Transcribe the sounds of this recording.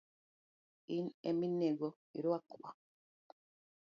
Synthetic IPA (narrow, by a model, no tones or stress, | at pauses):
inemineɡo | iɾwakwa